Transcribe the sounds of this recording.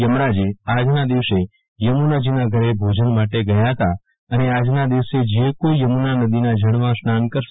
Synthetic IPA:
jəmɾad͡ʒiad͡ʒnad̪iʋse | jəmunad͡ʒinaɡʱəɾebʱod͡ʒənmaʈeɡəjat̪a | ənead͡ʒnad̪iʋsed͡ʒekoijəmunanəd̪inad͡ʒʱəɽ̃ʋãsnankəɾʃ

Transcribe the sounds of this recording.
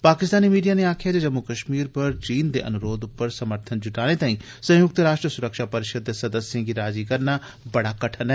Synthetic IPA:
paːkɪst̪aːnimiːɖijaneaːkʰijad͡ʒad͡ʒɐmːukəʃmiːɾpɐɾt͡ʃiːnd̪eʔɐ̰nʊɾoːd̪ʊpːəɾsɐməɾt̪ʰənd͡ʒʊʈaːɽ̃et̪aːĩ | sɐ̃jʊk̚t̪ɾaːʃʈɾəsʊɾəkʃapɐɾɪʃəd̪ːesɐd̪əsjãɡiɾaːd͡ʒikɐɾna | bɐɽakɐʈʰənɦɛ

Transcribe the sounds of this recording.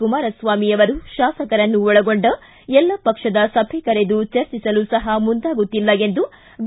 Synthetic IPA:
umaːɾɐsʋaːmijɐʋɐɾuʃaːsɐkɐɾɐnːuɔɭɐɡo̞ɳɖɐ | ɛlːɐpɐkʂɐd̪ɐsɐbʱɛkɐɾed̪ut͡ʃɐɾt͡ʃisɐlusɐɦɐmund̪aːɡut̪ːilːɐe̞nd̪u | b̪

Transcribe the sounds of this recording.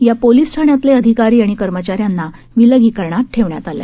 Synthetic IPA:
japoliːsʈʰaɳjat̪leəd̪ʱikaɾiːaɽ̃ikəɾmət͡ɕaɾjanːa | ʋiləɡiːkəɾɳaʈʰeʋɳjat̪alja̰

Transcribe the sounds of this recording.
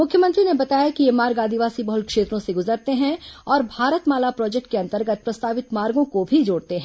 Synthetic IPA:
mʊkʰjəmɐ̃nt̪ɾinebɐt̪aːjakijemaːɾɡaːd̪iʋaːsibɐɦʊlkʃeːt̪ɾõseɡʊzəɾt̪eɦɛ̃ɔːɾbʱaːɾət̪maːlapɾɔːd͡ʒek̚ʈkeɐ̃nt̪əɾɡət̪̚pɾɐst̪aːʋɪt̪maːɾɡõkobʱid͡ʒoːɽt̪eɦɛ̃ː

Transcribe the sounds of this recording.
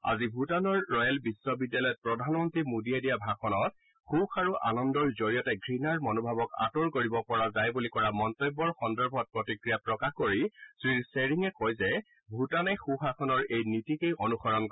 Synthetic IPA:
a̰zibʱutanɔɹːɔjɛlbisːɔbidjalɔjɔt̚pɹɔdʱanmɔntɹimudijadijabʱaxʰɔnɔt̚ | xuxaɹuʔa̰nɔndɔɹzoɹijɔtɛɡɹinaɹmɔnobʱabɔka̰toɹkoɹibɔpɔɹazajbulikɔɹamɔntɔjbːɔɹxɔndɔɹbʱɔt̚pɹɔtikɹijapɹɔkaxkoɹisɹiɹseɹiŋɛkɔjzɛ | bʱutanɛxuxaxʰɔnɔɹejnitikejʔonuxɔɹɔnk

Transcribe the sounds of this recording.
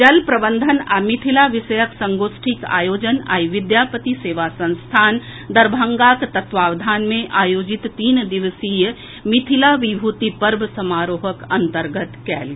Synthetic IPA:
d͡ʒɐlpɾəbə̃nd̪ʱənamit̪ʰilaʋisəjəksə̃ŋɡoːsʈʰika̰ːjoːd͡ʒəna̰ːiʋɪd̪jaːpət̪iseːʋasə̃nst̪ʰaːnd̪ɐɾbʱə̃ŋɡakt̪ət̪ʋaːʋd̪ʱaːnmẽʔaːjoːd͡ʒit̪ːiːnd̪iʋəsijə | mit̪ʰilaʋibʱuːt̪ipəɾbʱsəmaːɾoːɦəkɐnt̪əɾɡət̪kɛ̰ːl

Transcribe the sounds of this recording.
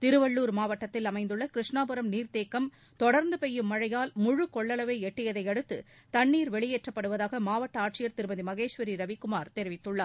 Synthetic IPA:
t̪ɪɾɯʋɐɭːuːɾmaːʋɐʈːɐt̪ːɪlɐmɐɪnd̪ɯɭːɐkɪɾɪʂɳaːpɯɾɐmniːɾt̪eːkːɐm | t̪ɔɽɐɾnd̪ɯpɛjːɯmːɐɻɐjaːlmʊɻɯkɔɭːɐlɐʋeɪɛʈːɪjɐðɐɪɐɽɯt̪ːɯ̰ | t̪ɐɳːiːɾʋɛɭɪjeːʈrɐpːɐɽɯʋɐðaːɣɐmaːʋɐʈːɐaːʈ̚t͡ʃɪjɐɾt̪ɪɾɯbɐðimɐɣeːʂʋɐɾiɾɐʋɪkːʊmaːɾt̪ɛɾɪʋɪt̪ːɯɭːaːɾ

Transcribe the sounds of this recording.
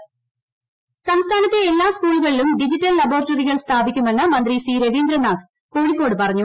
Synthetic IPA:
sɐmst̪ʰaːnɐt̪ːeelːaːskuːɭuɣɐɭilumɖid͡ʑitːɐlːɐboːrɐtːɐriɣɐɭst̪ʰaːbikʲːumːenːɐmɐnd̪risiːɾeʋiːnd̪ɾɐnaːt̪ | koːɻikʲːo̞ːɽɨpɐrɐɲːu

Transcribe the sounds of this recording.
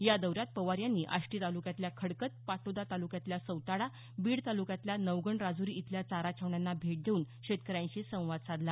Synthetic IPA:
jad̪əʋɾjat̪̚pəʋaɾjanːiːʔa̰ʂʈiːt̪alukjãt̪ljakʰəɽkət̪̚pat̪od̪at̪alukjãt̪ljasəwt̪aɽa | biːɽt̪alukjãt̪ljanəʋɡəɳɾad͡zuɾiːit̪ljat͡saɾat͡ɕʰəʋɳjanːabʱeʈ̚d̪ʱeuːn | ɕet̪̚kəɾãɲt͡ɕisə̃w̃ʋad̪t͡sad̪la

